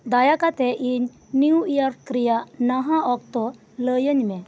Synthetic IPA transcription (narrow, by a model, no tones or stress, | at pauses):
d̪ajakat̪ɛʔiɲ | niwijaɾkɾijanaɦãɔkt̪ɔ | ləjəɲmɛ